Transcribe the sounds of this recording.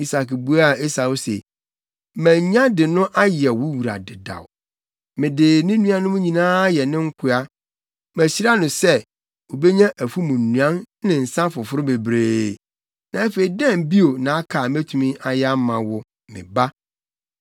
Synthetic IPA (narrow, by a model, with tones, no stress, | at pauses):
i˨sa˨kbu˦a˦˨e˦sa˨wo˦sḛ˨˦ | mæ̃˨ɲ˦ɲ˦ã˦dɪ˨nʊ̃˦ʔa˦jɛ˨wʊ˦wu˨ɾa̰˨dɪ˨da̰˨w | mɪ̃˨dɪ˨nɪ̃˦nũ˦ã˦nʊ̃˦mʊ̃˦ɲĩ˨nãː˦jɛ˨nɪ̃˦ŋ̩˦kʰʊ˦a˦ | mæ˨ɕi˦ɾa˦nʊ̃˨sɛ˦ | o˨be˦ɲã˦ʔæ˨fu˦mũ˨n̩˨nũ˨ã˦n | nɪ̃˨n̩˨sã˦fʊ˨fʊ˦ɾʊ˦be˨bɾeː˨ | nã˨æ˦feː˨i˨dɛ̃˦˨mbi˦o˨nã˨a˦kʰaː˨mæ˦tʰũ˨mĩ˦ʔa˨jɛ˦a˦mã˨wʊ˦ | mɪ̰̃˨ba˦